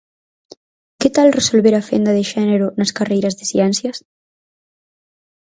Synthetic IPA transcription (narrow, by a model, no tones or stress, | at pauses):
ket̪alresolβeɾafḛnd̪ɐðeʃɛneɾunɐskarejɾɐzðesiɛnsjɐs